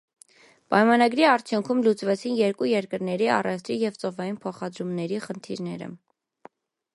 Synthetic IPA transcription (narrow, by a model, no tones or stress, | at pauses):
pɑjmɑnɑɡɾiɑɾt͡sʰjuŋkʰumlut͡svɛt͡sʰinjɛɾkujɛɾkəɾnɛɾiɑ̰rɛft̪ʰɾijɛvt͡sɔvɑjinpʰɔχɑd̪ɾumnɛɾiχənt̪ʰiɾnɛɾə̰